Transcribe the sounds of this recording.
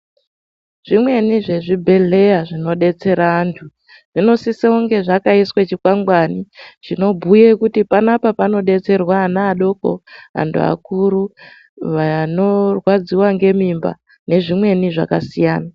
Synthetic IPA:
ʐ̥imwe̞niʐe̞ʐibʱe̞ɮe̞jaʐino̞ɗe̞t͡se̞ɾaːntʰu | ʐ̥ino̞siseuŋɡe̞ʐakaiswet͡ʃikwaŋɡwanit͡ʃino̞bʱujekutipanapapano̞ɗe̞t͡se̞rwaːnaːɗo̞ko̞̰a̰ntʰṵa̰kuɾu | ʋano̞rwad͡ziwaŋɡe̞mimba̰ | ne̞ʐimwe̞niʐa̰kasijaːna

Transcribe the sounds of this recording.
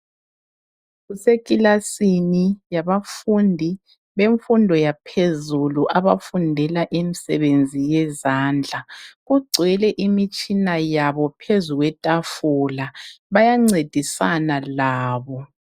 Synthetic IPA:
ɣusekʼilasinijaβafundʱi | βeɱfundʱɔjapʰezuluʔaβa̰fundʱɛlaʔemisɛ̰βend͡zʱijɛzaːnd͡ɮʱaɣuɡ͡ǀʱwɛlɛʔimit͡ʃʼinajaβɔpʰezuɣwɛtʼafulaβajaŋ͡ǀed̥ʱisanalaːβɔ

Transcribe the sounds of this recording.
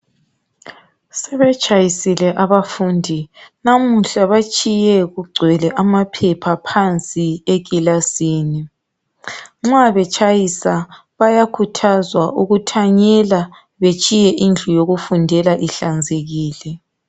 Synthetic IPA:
sɛβɛt͡ʃʼajisilɛʔaβafuːndʱinamuɬaβat͡ʃʼijɛɣuɡ͡ǀʱwɛlɛʔamapʰɛpʰapʰant͡sʼiekilasiːni | ŋ͡ǁaβɛt͡ʃʼajisa | βajakʰutʰazwaʔuɣutʰaɲɛla | βet͡ʃʼijɛʔind͡ɮʱujoɣufundʱɛlaʔiɬand͡zʱeɣiːlɛ

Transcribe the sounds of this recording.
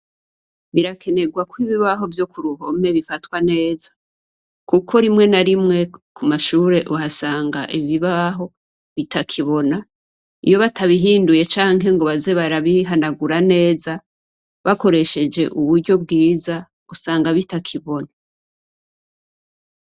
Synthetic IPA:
βiɾakʰe̞ne̞ɡwakwiβiβaɦo̞vjo̞kuɾuho̞me̞βifatwane̞ːzḁ | kukʰo̞ɾimŋe̞naɾimŋe̞kumaʃuːɾe̞ʔuhasaːŋɡa̰ʔiβiβaɦo̞ | βitʰakʰiβo̞na | ḭjo̞βataβiɦiːnduje̞t͡ʃaːŋɦe̞ŋɡo̞βaze̞βaɾaβiɦanaɡuɾane̞ːza | βako̞ɾe̞ʃe̞d͡ʒe̞ʔuβuɾɟo̞b̚ɡiːza | usaːŋɡaβitakʰiβo̞na

